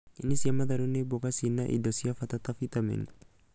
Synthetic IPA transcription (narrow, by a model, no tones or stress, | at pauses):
ɪnːɪsɐmːɐd̪ɐɾʊnːɛbɔkɐsinːaʔɪ̰d̪ɔsɪɐfɐt̪ɐt̪ɐfit̪ʼɐmɛ̰n